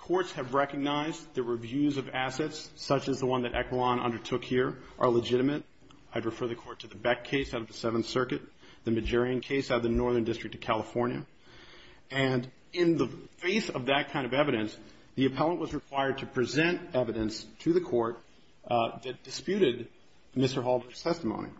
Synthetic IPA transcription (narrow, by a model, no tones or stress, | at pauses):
kʰɔɹtshɨvɹɛkɨɡ̚naɪzðəɹəvjʉzʌvæsɛtsʌt͡ʃɨzðəwʌ̃nðɨɾʔɛ̰kəlˠɑ̃nʌ̰̃ndə˞tʰʊkhiɹʔə˞ləd͡ʒɪɾɨmɨɾ | aɪd̚ɹɨfɜ˞ðɨkʰɔɹtʰɨðɨbɛkʰeɪsaʊɾʌvðɨsɛvn̩θsɜ˞kɨt̪̚ | ðɨmɨd͡ʒɛɹiɨ̃nkʰeɪsaʊɾʌvðɨnɔɹðə̃˞ndɪstɹ̥ɨk̚tʌv̥kʰælˠəfɔɹnjɨ̰ | ɨ̃n | ɪ̃nðəfeɪθʌvðɨt̚kʰãɪ̃ndʌvɛvɨɾɨ̃ns | ðiɨpʰɛlˠə̃nʔwʌzɹɨkʰw̥aɪə˞d̚tʰɨpʰɹ̥ɨzɛ̃ntɛvɨɾɨ̃nstʰɨðɨkʰɔɹt̪̚ | ðɨt̚d̥ɨspjʉɾɪd̚ | mɪstə˞ɦɑlˠbə˞z̥tʰɛstəmõʊ̃nḭ